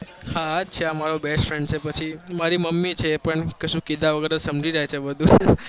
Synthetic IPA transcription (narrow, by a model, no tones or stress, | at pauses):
haːt͡ʃʰeamaɾobesʈfɾɛɳɖ̚t͡ʃʰepət͡ʃʰimaɾiməmːit͡ʃʰeːpəɳkeʃũkid̪aʋəɡəɾesəmd͡ʒiɾaɦjt͡ʃʰebəd̪ʱũ